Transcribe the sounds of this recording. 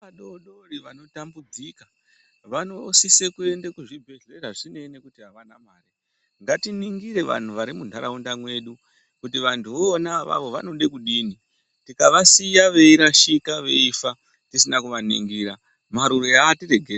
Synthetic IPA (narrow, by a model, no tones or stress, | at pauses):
aɗoɗoriʋano̞tambud͡zika | ʋano̞sisekue̞ndekuʐibʱe̞ɮe̞raʐine̞ne̞kutiɦaʋanamaːri | ŋɡatiniŋɡiɾe̞ʋa̰n̤uʋaɾimundʱaɾaundamwe̞ːɗu | kutiʋantʰuʋoːnaʋa̰ʋo̞ʋa̰no̞ɗe̞kuɗiːni | tikaʋasijaʋe̞iɾaʃikaʋe̞ifa | tisinakuʋanḭŋɡiːɾa | maɾurojaːtire̞ɡʱe